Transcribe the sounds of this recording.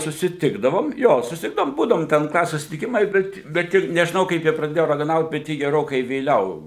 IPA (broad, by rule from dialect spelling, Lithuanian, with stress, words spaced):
sʊsʲɪˈtʲɪɡdɐʋoːm ˈjoː sʊsʲɪˈtʲɪɡdɐʋoːm ˈbuːdɐʋoːm tʲɛn ˈklˠɑːsʲeːs sʊsʲɪtʲɪˈkʲɪmɐɪ ˈbʲɛt bʲɛt ˈjɪ nʲɛʒʲɪˈnɐʊ kɐɪp ˈjɪ prɐˈdʲeːjoː rɐɡɐˈnɐʊt bʲɛt ˈjɪ ɡʲɛˈroːkɐɪ ʋʲeːˈlʲɛʊ